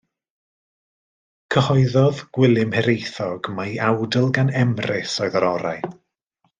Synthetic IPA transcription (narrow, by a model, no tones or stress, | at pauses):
kʰəhɔɨðɔðɡ̥wɪlˠɪmhɛɾejθɔɡmajawdəlˠɡanɛmrɪsɔɨðəɾɔɾa̰j